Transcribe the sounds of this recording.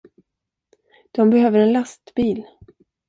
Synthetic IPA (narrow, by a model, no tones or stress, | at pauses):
d̪̥ɔmbɛɦøːvəɾɛnlast̪biːl